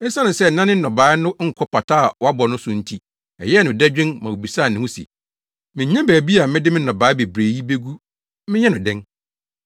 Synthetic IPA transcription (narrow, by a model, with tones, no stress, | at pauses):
ɛ˦sã˦nʊ̃˨sɛ˦˨nã˦nɪ̃˦nɔ̃˨baː˨˦nʊ̃˦ŋ̩˦kʷʰɔ˦pʰa˨tʰaː˦˨wɔ˦a˦bɔ˨nʊ̃˦sʊ˨n̩˦tʰi˦ | ɛ̰˨jɛ˦nʊ̃˨dɛ˦d͡ʑᶣɪ̃˦nmã˨wo˨bi˨sa˦˨nɪ̃˨ʊ̃˦sḭ˨ | mɪ̃˨ɲɛ̃˦bæː˨bi˦a˨mɪ̃˦dɪ˦mɪ̃˦nɔ̃˨baː˨˦be˨bɾeː˨ji˦be˦ɡu˦ | mɪ̃˦ɲɛ̃˦nʊ̃˨dɛ̃˦ŋ